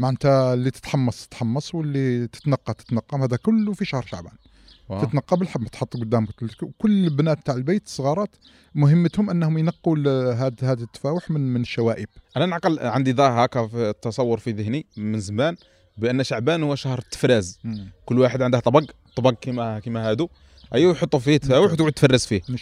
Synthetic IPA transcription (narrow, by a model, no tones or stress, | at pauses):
maʕnt̪ælːit̪ə̥t̪ħɑmːɑsˤt̪ət̪ħɑmːɑsˤwəlːit̪ə̥t̪nɑqːɑt̪ə̥t̪nɑqːɑmhæd̪ækʊlːufiʃahɾˤʃaʕbæ̰n | ət̪nɑqːɑbəlħəbːmæt̪ħot̪ˤːɡʊd̪ːæmkt̪lkwkʊlːbnæt̪̚bt̪aʕəlbejt̪sˤːəɣɑɾˤɑt̪ | mʊɦəmːət̪hʊmʔənːhʊmjnɑqːuɦæd̪hæd̪ət̪ːə̥fæwʊħməmənəʃːæwæʔəbʔænænəʕqəlʕənd̪id̪ˤɑhɑkæft̪ːɑsˤɑwːʊɾfiðəhnimənzəmæn | bʔənːʃaʕbænhʊwːæʃahɾˤt̪ːə̥fɾizkʊlːwaħəd̪ʕənd̪əht̪ˤɑbɑɡt̪ˤɑbɑɡ̚kimækimæhæd̪u | ʔæjːwjħot̪ˤːufit̪ːfæwəħt̪ɡud̪̚t̪ːfɑrːəsfi